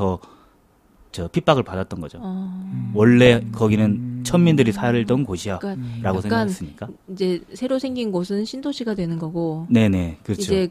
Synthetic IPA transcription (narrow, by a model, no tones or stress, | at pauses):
ʌ | t͡ɕʌpʰip͈aɡɯɭpadat̚t͈ʌnɡʌd͡ʑo | wʌɭːe̞kʌɡinɯnt͡ɕʰʌmːindɯɾisʰaɾɯɭtʌnkoɕʰijaaɾaɡosʰeŋkasɯmɲik͈aid͡ʑe̞sʰe̞ɾosʰe̞ŋɡinɡosʰɯnɕʰindoɕʰiɡadwe̞nɯnɡʌɡone̞ne̞kɯɾʌiod͡ʑe̞